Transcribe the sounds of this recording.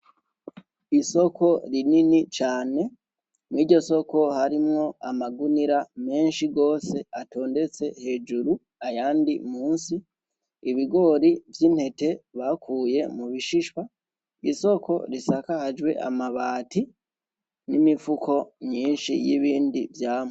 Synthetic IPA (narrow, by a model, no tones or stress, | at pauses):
iso̞ko̞ɾininit͡ʃaːne̞ | mwiːɾɟo̞so̞ko̞haɾimŋo̞amaɡuniɾame̞ːnʃiɡo̞ːse̞ato̞ːnde̞t͡se̞he̞d͡ʒuɾu | ajaːndimuːnsiː | βiɡo̞ɾivjiːn̥he̞te̞βakʰuːje̞muβiʃiʃwa | iso̞ko̞ɾisakahad͡ʒwe̞̰ʔa̰maβaːti | nimifukʰo̞mɲiːnʃḭjiβiːndivjaːmo